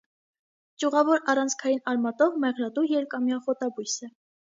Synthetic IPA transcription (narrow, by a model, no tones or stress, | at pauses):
t͡ʃuʁɑvɔɾɑrɑnt͡sʰkʰɑjinɑɾmɑt̪ɔʁmɛʁlɑt̪ujɛɾkɑmjɑχɔt̪ɑbujsə